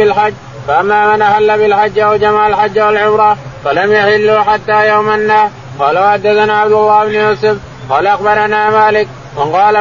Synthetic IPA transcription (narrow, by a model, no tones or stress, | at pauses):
ɪlħad͡ʒː | faʔamːaːmanʔahalːabɪlħad͡ʒːaawd͡ʒamaʕalħad͡ʒːawalʕʊmɾˤɑfalamjaħɪlːuħat̪ːaːjawmanːaː | qɑːlawaħad̪ːaθanaːʕabd̪ʊlˤːaːhɪbnʊjuːsʊf | qɑːlaʔaxbɑɾˤanaːmaːlɪk̚ | mɪnqɑːla